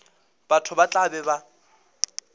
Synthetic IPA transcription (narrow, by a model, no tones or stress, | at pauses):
b̥atʰʊbat͡ɬʼabɛba